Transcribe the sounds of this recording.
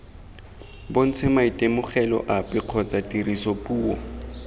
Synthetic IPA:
bon̩t͡sʰɪmaitʼemʊχɛlɔ̰ʔapɪq͡χʰɔt͡sʼatʼirisopuːɔ̰

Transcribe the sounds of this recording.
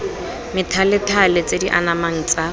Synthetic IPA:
mɪtʰalɪtʰalet͡sediʔa̰namaŋ̩t͡sʼa

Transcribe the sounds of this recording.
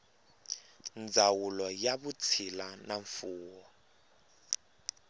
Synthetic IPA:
nd͡zʱawulɔjaɓut͡sʰilanaɱfuːwɔ

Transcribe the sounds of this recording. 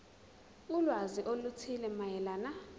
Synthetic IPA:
ulwaziʔolut͡sʰilɛmajɛlaːna

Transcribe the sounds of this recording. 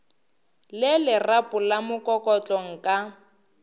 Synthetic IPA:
lɪlɪrapʼʊlamʊkʼɔkʼɔt͡ɬʼɔŋ̩kʼa

